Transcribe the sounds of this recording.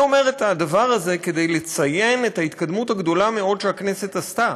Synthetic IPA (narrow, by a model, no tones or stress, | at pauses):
o̞me̞ʁet̪ad̪avaʁaze̞ke̞d̪e̞jle̞t͡saje̞ne̞thait̪kad̪muthaɡd̪o̞lame̞o̞d̪ʃeakne̞se̞tast̪a